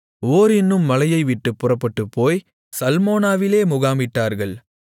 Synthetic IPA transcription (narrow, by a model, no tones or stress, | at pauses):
oːɾɪnːɯmːɐlɐjɐɪʋɪʈːɯpːʊrɐpːɐʈːɯpːoːj | sɐlmoːnaːʋɪleːmʊɣaːmbɪʈːaːɾɣɐɭ